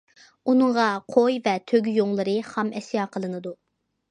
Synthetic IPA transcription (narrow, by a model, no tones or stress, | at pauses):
unɨŋʁɑqʰojvɛt̪ʰøɡʲyjoŋlˠɨɾɨχɑmʔɛsjɑqʰəlˠɨnɨd̪u